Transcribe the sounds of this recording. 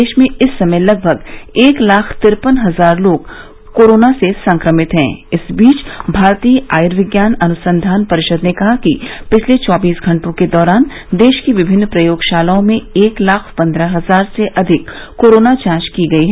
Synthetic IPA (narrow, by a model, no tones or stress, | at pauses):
eːʃmẽɪsːɐməlɐɡ̚bʱəɡeːklaːkʰt̪ɪɾpənɦɐzaːɾloːɡ | koːɾoːnasesɐ̃ŋkɾəmɪt̪ɦɛ̰̃ːɪsbiːt͡ʃbʱaːɾt̪iːaːjɪɾʋɪɡjaːnɐnʊsə̃nd̪ʱaːnpɐɾɪʃəd̪nekɐɦakipɪt͡ʃʰlet͡ʃɔːbiːsɡʱɐ̃ɳʈõked̪ɔːɾaːn | d̪eːʃkiʋɪbʱɪnːpɾɐjoːɡʃaːlaõmẽeːklaːkʰpɐ̃nd̪ɾaɦɐzaːɾseʔɐd̪ʱɪkːoːɾoːnat͡ʃãːt͡ʃkiɡɐiɦɛː